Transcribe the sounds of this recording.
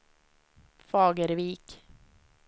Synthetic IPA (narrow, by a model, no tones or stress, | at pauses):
fɑːɡəɾviːk